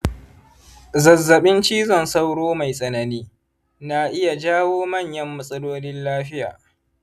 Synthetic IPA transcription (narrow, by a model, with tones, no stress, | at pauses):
zɐ˨zːɐ˨ɓɪ˦nt͡ʃiː˦zɔ˦˨nsa˦wɽoː˦ma˨jsʼɐ˨nɐ˨niː˦ | naː˨ʔɪ˦ja˨d͡ʒaː˦woː˦mɐ˦˨ɲjɐ˦mːɐ˦sʼɐ˦loː˦nɪ˦nlaː˦ɸɪ˦ja̰ː˨